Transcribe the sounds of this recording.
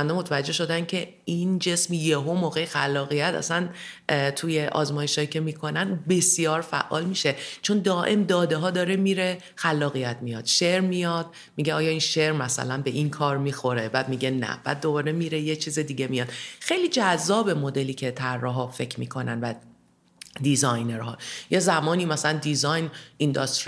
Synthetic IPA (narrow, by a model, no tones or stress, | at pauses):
ænd̪ɔmot̪ʰævæd͡ʒːe̞ʃo̞d̪æncʰe̞ | ind͡ʒe̞smjeɦomoːɣe̞jexælːɒːɣijæt̪ʰæ̰sæn | t̪ʰujeʔɒ̰ːzmɒːje̞ʃhɒːicʰemiːkʰo̞nænbe̞sjɒːɾfæ̰ʔːɒːlmiːʃe̞t͡ʃʰo̞nd̪ɒːʔe̞md̪ɒːd̪e̞ɦɒːd̪ɒːɾemiːɾe̞ | xælːɒːɣijæt̪ʰmijɒd̪̥ʃe̞ɾmijɒd̪̥̚ | miːɟeɒːjɒːinʃe̞ɾmæsæ̰lænbe̞ʔinkʰɒːɾmiːxo̞ɾe̞bæːd̪miːɟe̞næ̰b̥æ̰ːd̪ːo̞bɒːɾemiːɾejet͡ʃʰiːzed̪iːɟemijɒd̪̥xe̞jliːd͡ʒæzːɒːbe̞mo̞d̪e̞liːcʰe̞t̪ʰærːɒɦɒfe̞cʰɾmḭːkʰo̞nænvæ | d̪izɒjneɾɦɒ̰ːjezæmɒːniːmæsælænd̪izɒjnind̪ɒst̪ɾ